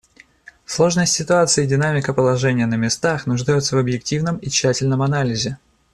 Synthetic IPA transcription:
slˠo̞ʐnəsʲtʲsʲɪt̪ʊat̪sɨəɪdʲɪnamʲɪkəpəlˠɐʐɛnʲɪjənəmʲɪst̪axnʊʐd̪ajʊt̪səvəbjɪktʲivnəmit͡ɕːætʲɪlʲnəmɐnalʲɪzʲɪ

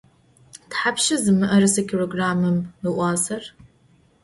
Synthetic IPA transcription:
tħapʃɪzɨmɨʔɐrɨsɐkʰʲʼroːɡraːmɨmɨʔʷɑːsɐr

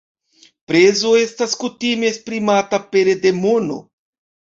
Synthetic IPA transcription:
pɾe̞zo̞e̞staskutimeespɾimatape̞ɾede̞mono̰

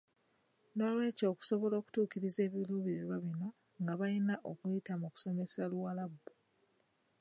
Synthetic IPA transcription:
no̞lwe̞ːco̞ːku̥so̞βo̞lo̞ːku̥tuːkiɾize̞ːβiluːβiɾiɾwaβino̞ | ŋɡaβajinaʔokujitamuku̥so̞me̞saluwalabːo

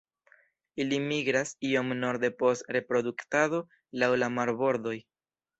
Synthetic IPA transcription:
ilimiɡɾasio̞mno̞ɾde̞po̞stɾe̞pɾo̞duktado̞ | lawlamaɾbo̞ɾdo̞j

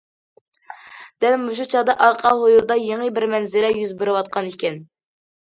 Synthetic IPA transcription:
d̪̥ɛlmuʃ̬ut͡ʃʰɑd̪ɑʔɑɾqʰɑɦojuɾd̪ɑjeŋəbɪɾmɛnzɪlɛjyzbɪɾɪwɑt̪̚qʰɑnikʲɛn

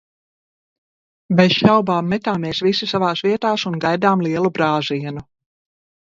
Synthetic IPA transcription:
bɛzʃawbaːmːɛt̪aːmeːsvisisavaːsviɛt̪aːsunɡajd̪aːmlˠiɛlˠubɾaːziɛnu

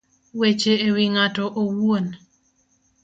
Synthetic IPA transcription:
wet͡ʃeːwiŋatɔʔowuon

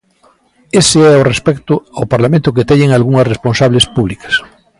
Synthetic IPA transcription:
eseɛorespɛkt̪ʊawpaɾlamẽnt̪ʊket̪eɲeŋalɣuŋɐsresponsaβlespuβlikḁs

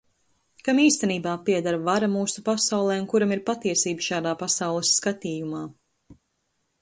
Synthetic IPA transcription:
kamiːst̪ɛniːbaːpiɛd̪aɾvaɾamuːsupasawlˠɛːunkuɾamiɾpat̪iɛsiːbəʃaːd̪aːpasawlˠɛsːkat̪iːjumaː

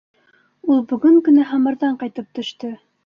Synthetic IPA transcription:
ulˠbɵ̆ɡɵŋkɵ̆næɦɑmɤ̆ɾðɑɴqɑjt̪ɤp̚t̪ɵ̆ʃt̪ɤ

